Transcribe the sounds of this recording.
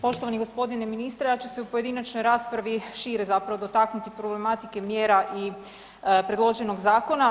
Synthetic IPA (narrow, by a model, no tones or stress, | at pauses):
po̞ʃt̪oʋaniɡo̞spo̞d̪ineminist̪ɾejat͡ɕuseupo̞je̞d̪inat͡ʃnojɾaːspɾaʋiʃiːɾezapɾaʋod̪o̞t̪aknut̪ipɾo̞ble̞mat̪ike̞mjeːɾaʔi | pɾe̞d̪lˠo̞ʒe̞no̞ɡzaːko̞na